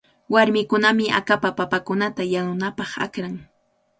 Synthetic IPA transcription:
waɾmɪkʊnamɪʔa̰kapapapakʊnat̪ajanʊnapɑχa̰kɾaŋ

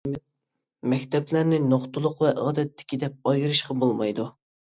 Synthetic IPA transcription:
mɛkʲt̪ɛplæɾnɪnoχt̪ʊlˠʊqvɛʔɑd̪ɛt̪ʰːɪ̥kʲid̪ɛp̚ɑjɨɾɨʃqɑbolˠmɑjd̪u

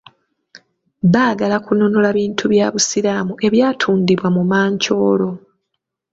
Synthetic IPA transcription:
βaːɡalakunonolaβiːntʰuβjaːβusilaːmuʔe̞βjaːtʰuːndiβwamumaːɲco̞ːlo̞

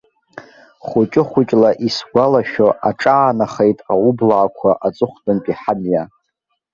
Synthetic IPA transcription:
χʷʊt͡ʃʼɪχʷʊt͡ʃʼlaʔisɡʷalaʃoʔaʈ͡ʂʼaːnaχejtʼaublaːkʷʰaʔat͡sʼɨχʷdʰʼɨnpʼiħanja

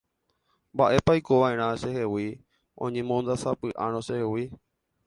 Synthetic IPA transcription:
mbaʔe̞pajkoʋaẽ̞ɾ̃ãʃe̞hewi | õ̰ɲẽmõnd̪asapɨʔã̰ɾ̃õʃehewi

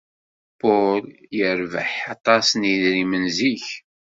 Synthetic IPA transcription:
pʊljəɾvəħɑt̪ˤɑsniðɾimənziç

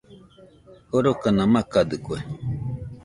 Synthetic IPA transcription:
hoɾokanãmãkad̪ɨkue

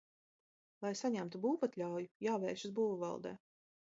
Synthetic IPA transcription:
lˠajsaɲæmt̪ubuːvat̪ʲlʲawjujaːvɛːʃuzbuːvuvɑ̰lˠd̪ɛ̰ː

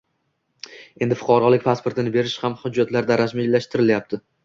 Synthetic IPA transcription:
e̞nd̪ɪfʊ̥qʰɒɾɒlɪkʲpʰaspʰoɾt̪ʰɪnɪbe̞ɾɪʃhamhʊd͡ʒːat̪laɾd̪aɾad͡ʒmilːaʃt̪ɪɾɪljap̚t̪ʰɪ

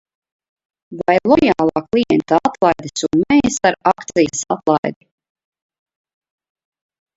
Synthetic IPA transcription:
vajlˠɔjaːlˠɑːklˠiɛnt̪aat̪lˠajd̪isunmɛjsaɾakt̪sijəsa̰t̪lˠajd̪i

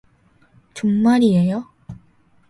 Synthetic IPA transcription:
t͡ɕummaɾiejo

